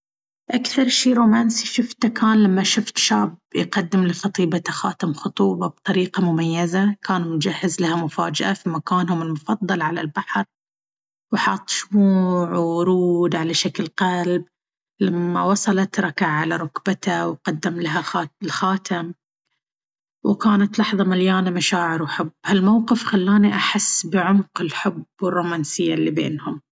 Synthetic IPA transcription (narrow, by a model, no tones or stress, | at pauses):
ʔakθɑɾˤʃiːɾoːmaːnsiʃʊft̪akaːnlamːaʃʊft̪ʃaːbjqɑd̪ːɪmlɪxɑt̪ˤiːbat̪axaːt̪amxʊt̪ˤuːbɑb̚t̪ˤɑɾiːqɑmʊmajːazakʰaːnumd͡ʒahːɪzlahamʊfa̰ːd͡ʒaʔafimakaːnhʊmɪlmʊfɑðd̪ˤːɑlʕala̰lbaħɾ | wħɑt̪ˤːʃmuːʕwʊɾuːd̪ʕalaʃaklqalb | lamːa̰wɑsˤɑlɑt̪ɾˤɑkaʕʕalaɾˤʊkbat̪awqɑd̪ːamlaɦaaɪlxaːt̪am | wkaːnat̪lɑħðˤɑmaljaːnamaʃaːʕɪɾwħʊbːhalmawqɨfxalːaːniʔaħɪsːbɪʕʊmqɪlħʊbwɪrˤːumaːnsɪjːa̰lːibḛːnhʊm